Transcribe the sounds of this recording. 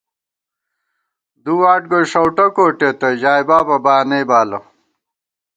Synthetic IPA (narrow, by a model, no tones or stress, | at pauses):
d̪uaːʈ̚ɡoʂɐwʈɐkoːʈet̪ɐʑaːjbaːpɐbaːnejbaːlɐ